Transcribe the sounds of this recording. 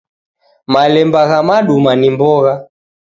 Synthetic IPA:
malɛmbaɣamaɗumanimbɔɣa

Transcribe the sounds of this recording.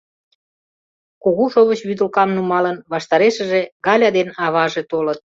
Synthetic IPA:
koɣuʃoβət͡ɕβyd̪əlkɑmnumɑlənβɑʃt̪ɑɾeʃə̆ʒeɣɑlʲɑd̪enɑβɑʒet̪olət̪̚

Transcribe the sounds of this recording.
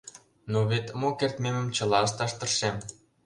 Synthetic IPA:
noβet̪mokert̪memə̆mt͡ɕə̆lɑəst̪ɑʃt̪ə̆rʃem

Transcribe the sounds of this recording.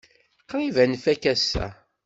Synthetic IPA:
qːɾivænfækæsæ̰

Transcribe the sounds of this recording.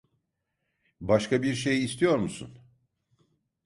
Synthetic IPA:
baʃkabiɾʃe̞jːst̪ʰijo̞ɾmusṵn

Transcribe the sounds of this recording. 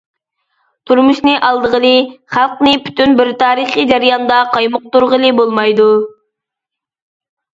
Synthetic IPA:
t̪ʰuɾmuʃnɨʔɑlˠd̪əʁəlˠɨχælˠqnɨpʰy̥t̪ynbɪɾt̪ʰɑːɾiχid͡ʒɑɾijɑnd̪ɑqʰɑjmʊq̚t̪uɾʁəlˠɨbolˠmɑjd̪u

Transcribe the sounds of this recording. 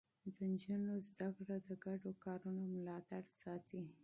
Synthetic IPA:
d̪ənd͡ʒənozd̪akɽad̪əɡaɖokɑɾunomʊlɑt̪aɽsɑt̪i

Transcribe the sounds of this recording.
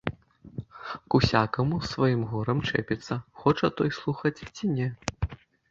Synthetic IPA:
kusʲakɐmusvajimɣɔɾɐmt͡ʂɛ̰pʲɛt̪sːɐxɔt͡ʂɐt̪ɔjslˠuxɐt͡sʲt͡sʲinʲɛ

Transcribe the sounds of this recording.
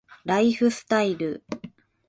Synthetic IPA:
ɾaiɸɯ̟sɨ̥t̪aiɾɯ

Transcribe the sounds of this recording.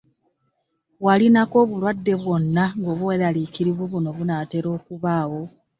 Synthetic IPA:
walinako̞ːβulwadːe̞βwo̞nːaŋɡo̞ːβuwelalikiɾiβweβuno̞βunaːte̞ɾo̞ːkuβaːwo̞

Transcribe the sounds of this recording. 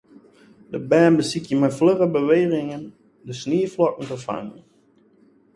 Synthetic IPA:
dəbɛːnbəsikjəmɛjfløʁəbəʋeːχɪŋən | dəsniːflɔkən̩təfa̰ŋən

